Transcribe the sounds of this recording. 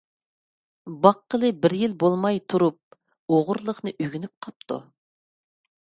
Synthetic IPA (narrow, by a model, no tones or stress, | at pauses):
bɑqːəlˠɨbɪɾjilbolˠmɑjt̪ʰuɾup̚ | oʁʊɾlˠəχnɨʔøɡʲinyp̚qʰɑp̚t̪ʰṵ